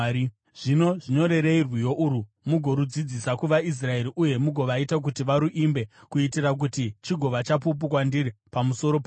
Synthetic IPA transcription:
ʐ̥ino̞ʐiɲo̞ɾe̞ɾe̞irwijo̞ʔuɾu | muɡʱo̞ɾud͡zid͡zisakuʋais̬rae̞ɾiʔuje̞muɡʱo̞ʋaitak̬utiʋaɾuʔimbe̞kuitirak̬utit͡ʃiɡʱo̞ʋat͡ʃap̬up̬ukwandiɾipamuso̞ɾopa

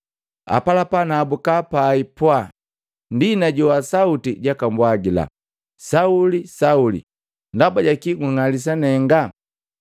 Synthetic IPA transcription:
a̰palapanaːbukapaipwa | ndinaɟɔwasautiɟakambwaɡila̰ | saulisaulḭ | ndabaɟakiɡuŋalis̬anɛŋɡa

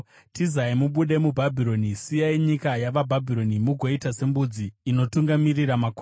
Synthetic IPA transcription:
tizaimuɓuɗe̞mubʱabʱiɾo̞nisijaiɲikajaʋabʱabʱiɾo̞nimuɡʱo̞itase̞mbud͡ziːno̞tuŋɡamiriramako

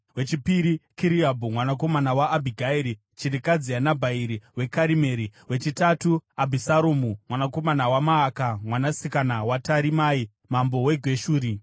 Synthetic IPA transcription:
we̞t͡ʃipiɾikiɾiabʱumwanak̬o̞manawaʔːbʱiɡʱaiɾi | t͡ʃirikad͡zianabʱaiɾiwe̞kaɾimeːɾiwet͡ʃitatuabʱisaɾomumwanako̞manawamaːkamwanasikanawataɾimai | mambo̞we̞ɡʱwe̞ʃuːɾi

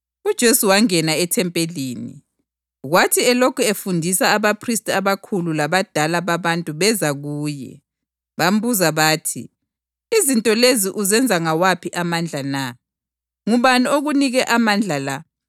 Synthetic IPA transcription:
ud̥ʒ̥ʱesuwaŋɛnaɛtʰɛmpʼeliːnḭ | ɣwatʰiɛlokʰuefundʱisaːβapʰristʼaβakʰululaβad̥ʱalaβaβantʼuβɛzaɣuːjɛ̰ | βam̩βuzaβaːtʰḭ | izintʼɔleziʔuzɛnd͡zʱaŋawapʰiʔamand͡ɮʱana | ŋuβanioɣuniɣɛʔamand͡ɮʱala

